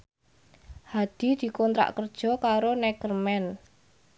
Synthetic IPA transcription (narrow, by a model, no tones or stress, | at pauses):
had̪̥i̤d̪̥i̤kɔnt̪ɾa̰ʔkərd̥ʒ̥ɔ̤kaɾonɛkərmɛn